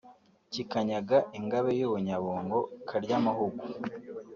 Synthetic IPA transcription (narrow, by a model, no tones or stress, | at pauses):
cikaɲaɡaʔiŋɡaβejoβoɲaβoːŋɡo̞kʰaɾɟamahuɡu